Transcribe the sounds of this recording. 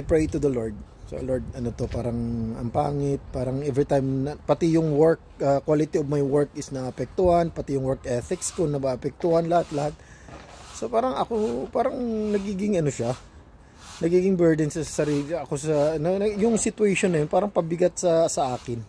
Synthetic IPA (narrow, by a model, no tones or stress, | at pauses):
ajpɹejt̪ʊd̪ɐloɹd̪̚ | so̰loɹd̪̚ɐnot̪o̞paːɾɐŋʔɐ̰mpa̰ːŋɪt̪̚paːɾɐŋʔɛvɹit̪ajmnɐpɐt̪ɪjʊŋwɛɹk̚ | ɐkwalɪt̪iob̚mɐjwɛɹk̚ɪsnɐɐpɛk̚t̪ʊhanpɐt̪ɪjʊŋwɛɹkʔɛθɪkskʊnɐɡaʔɐpɛk̚t̪ʊhɐnlɐhat̪lɐhat̪̚ | sopaːɾɐŋɐkopaːɾɐŋnɐɡiːɡɪŋɐnoʃa | nɐɡiːɡɪŋbɛɹd̪ɛnsɐsɐsɐɾiɐkosɐnɐɐjʊŋsɪt̪ʊɛjʃonːɐjonpaːɾɐŋpɐbɪɡat̪̚sɐsɐʔaːkɪn